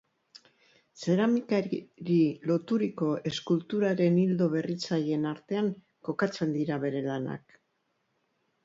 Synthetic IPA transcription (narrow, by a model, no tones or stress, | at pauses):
se̞ɾamikaɾɾilo̞t̪uɾiko̞ʔe̞skult̪uɾaɾe̞nild̪o̞β̞e̞rit͡saje̞naɾt̪e̞aŋ | ko̞kat͡se̞nd̪iɾaβe̞ɾe̞lana̰k